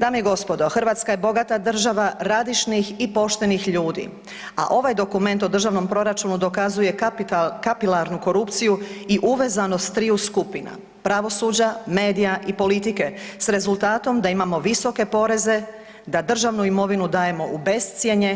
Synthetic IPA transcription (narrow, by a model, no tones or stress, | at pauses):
d̪aːmeiɡo̞spod̪o̞xrʋaːt̪skaje̞bo̞ɡat̪ad̪r̩ʒaʋaɾad̪iʃnixipo̞ʃt̪e̞nixʎuːd̪ḭ | a̰ʔo̞ʋajd̪o̞kume̞nt̪o̞d̪r̩ʒaʋno̞mpɾo̞ɾat͡ʃunud̪o̞kazuje̞kapilaɾnuko̞ɾupt̪sijuiʔuʋe̞ːzanost̪t̪ːɾiuskupina̰ | pɾaʋo̞suːd͡ʑame̞ːd̪ijaʔipo̞lit̪ike̞sɾe̞zulˠt̪aːt̪o̞md̪aimamo̞ʋiso̞ke̞po̞ɾe̞ze̞ | d̪ad̪r̩ʒaʋnuimo̞ʋinud̪aːje̞mo̞ube̞st̪sje̞ɲe̞